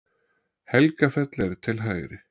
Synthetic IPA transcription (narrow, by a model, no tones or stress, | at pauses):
hɛlkafɛt̪lɛɾt̪ʰɪlɦaːjɾɪ